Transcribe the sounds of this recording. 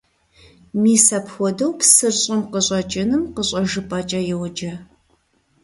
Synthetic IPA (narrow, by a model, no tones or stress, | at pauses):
miːsɐpxʷɔdɐwpʰsɨrɕʼɪmqəɕʼɐt͡ʃʼɪnɨmqəɕʼɐʒɨpʼɐt͡ʃʼɐjɛwd͡ʒɐ